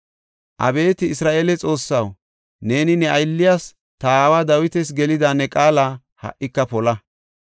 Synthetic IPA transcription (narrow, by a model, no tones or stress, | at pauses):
ʔɐ̰be̞ːt̪ɪːsɾaːʔeːlɛt͡sʼo̞ːsːɐw | ne̞ːnɪnɛʔɐjlːɪjaːs | t̪ɐːwaːd̪ɐwɪt̪ɛs̬ɡɛlɪd̪aːnɛkʼaːlaː | hɐ̰ʔɪkːɐpɔlɐ